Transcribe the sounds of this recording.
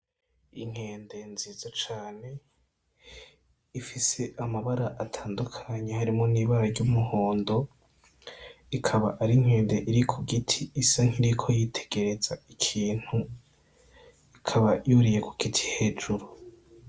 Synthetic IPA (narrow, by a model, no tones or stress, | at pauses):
iŋ̥he̞ːnde̞nzizat͡ʃaːne̞ | ifise̞ʔamaβaɾaʔatʰaːndukʰaɲehaɾimŋoniːβaɾaɾɟumuho̞ːndo̞ | ikʰaβaʔaɾiŋ̥he̞ːnde̞ʔiɾikʰuɡitʰiːsaŋ̥iɾikʰo̞jitʰe̥ɡ̥e̞ɾe̞zaikʰiːn̥hu | ikʰaβajuɾije̞ku̥ɡ̥itʰi̥he̞ːd͡ʒuɾu